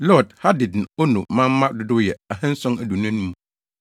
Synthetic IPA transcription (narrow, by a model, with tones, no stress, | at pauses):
lɔ˦˨dha˦dɪ˨dn̩˨o˦nũ˨mã˦m̩˦mã˦dʊ˨˦dʊ˦jɛ˨a˨hɛ̃˦n̩˦sʊ̃˦næ˨du˨nã˦nũ˦m˦